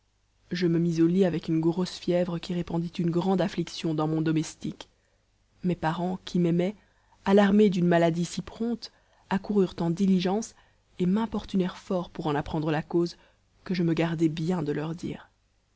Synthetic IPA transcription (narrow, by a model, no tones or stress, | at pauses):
ʒəməmizoliavɛkynɡʁosfjɛvʁəkʲiʁepɑ̃d̪it̪ynɡʁɑ̃d̪afliksjɔ̃d̪ɑ̃mɔ̃d̪ɔmɛst̪ik | mɛpaʁɑ̃kʲʰimɛmɛ | alaʁmed̪ynmalad̪isipχɔ̃t̪ | akuʁyʁt̪ɑ̃d̪iliʒɑ̃s | emɛ̃pɔʁt̪ynɛʁfɔʁpuʁɑ̃napχɑ̃d̪ʁəlakoz | kəʒəməɡaʁd̪ɛbjɛ̃d̪əlœʁd̪ḭːʁ